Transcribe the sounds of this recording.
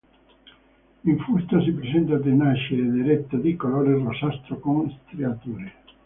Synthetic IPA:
iɱfust̪asipɾesɛnt̪ad̪enaʃeːd̪eɾet̪ːad̪ikoloːɾerosast̪ɾokoŋst̪ɾeat̪uːɾe

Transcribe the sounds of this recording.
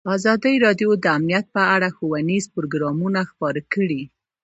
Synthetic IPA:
ɑzɑd̪əjɾɑdjod̪əamnijat̪̚pəaɽaxowanizpɾoɡɾɑmunaxpɑɾəkəɽi

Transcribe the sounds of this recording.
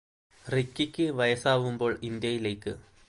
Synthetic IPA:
rikːikʲːɨʋɐjɐsaːʋumbo̞ːɭind̪jɐjile̞ːkːɨ

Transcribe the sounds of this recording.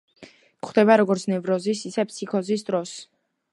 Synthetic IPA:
χd̪ɛbaɾɔɡɔɾt̪sʰnɛvɾɔzisisɛpʰsʰikʰɔzisd̪ɾɔs

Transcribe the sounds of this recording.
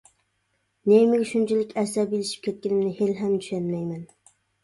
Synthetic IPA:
nemɪɡʲʃunt͡ʃʰilɪkʲɛsæbilɪʃi̥p̚kʲʰɛt̪̚kʲɪnɪmnɪhelɦɛmd̪yʃɛnmɛjmɛn

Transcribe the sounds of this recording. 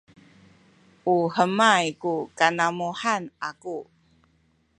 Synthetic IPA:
ʔuhəmajkukanamuħanʔaku

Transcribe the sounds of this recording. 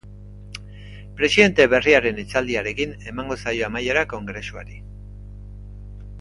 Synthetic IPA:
pɾe̞siðe̞nt̪e̞βe̞riaɾe̞net͡sald̪iaɾe̞kine̞maŋɡo̞sajo̞amajeɾako̞ŋɡɾe̞sua̰ɾi

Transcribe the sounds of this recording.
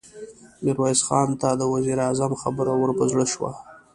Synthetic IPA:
nɪɾwajzxɑnt̪ad̪əwaziɾɑzamxabəɾawəɾpəzɽəʃwa̰

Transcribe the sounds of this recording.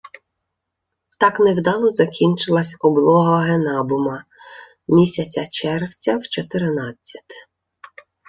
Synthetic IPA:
t̪ɑknewd̪ɑlˠɔzɐkʲinʲt͡ʃɪlˠɐsʲɔblˠɔɦɐɦenɑbʊmɐ | mʲisʲɐt͡sʲɐt͡ʃɛrwt͡sʲɐwt͡ʃɔt̪eɾnɑt͡st͡sʲːɐ̥t̪ɪ̥

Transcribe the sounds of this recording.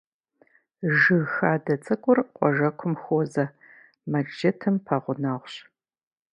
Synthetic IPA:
ʒɨxaːdɐt͡sʼɨkʷʼʊrqʷʼɔʒɐkʷʰʊmxoːzɐ | mɐkʒɐtʰɨmpʰɐʁʷʊnaːʁʷɕ

